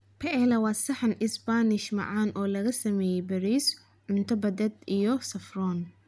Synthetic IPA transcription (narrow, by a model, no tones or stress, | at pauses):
pʰɛʔɛlɐwɑːsɐħɑnɪsbanɪʃmɑ̰ʕɑːnʔɔːlɐɣɐsɐmɛːjɛjbɐɾiːs | ʕʊnt̪ʰɔbɐd̪ɛd̪ijɔsɐfrɔːn